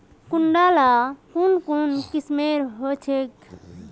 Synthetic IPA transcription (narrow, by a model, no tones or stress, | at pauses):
kuɳɖalakunkunkismeɾɦot͡ʃʰek